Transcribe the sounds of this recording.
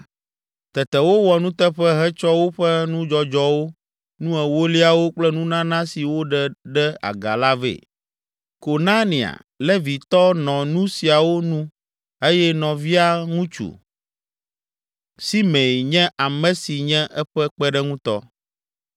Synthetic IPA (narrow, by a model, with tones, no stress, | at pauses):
t̪ɛ˨t̪ɛ˨wo˦wɔ˨nũ˦t̪ɛ˦ɸɛ˦ɦɛ˦t͡ʃɔ˦wo˦ɸɛ˦nũ˦d͡ʒɔ˦d͡ʒɔ˦wo˦ | nũ˦ɛ˨wo˦li˦a˨wo˦k͡plɛ˦nũ˦nã˦nã˦si˨wo˦ɖɛ˨ɖɛ˦a̰˨ɡa̰˨la˦vḛ˨ | ko˨nã˦nĩ˨a̰˨ | lɛ˦vi˨t̪ɔ˦nɔ̃˨nũ˦si˨a˨wo˦nũ˦ | e˦jɛ˦nɔ̃˨vi˦a˦ŋũ˦t͡ʃṵ˨ | si˦mẽ˨jɲɛ̃˦ʔa˨mɛ̃˨si˨ɲɛ̃˦ʔɛ˦ɸɛ˦k͡pɛ˦ɖɛ˦ŋũ˦t̪ɔ̰˦